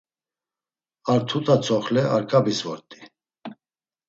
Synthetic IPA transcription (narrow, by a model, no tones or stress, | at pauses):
aɾt̪ʰut̪ʼat͡sʰɔχlɛʔaɾkʼabisvɔɾt̪ʼi̥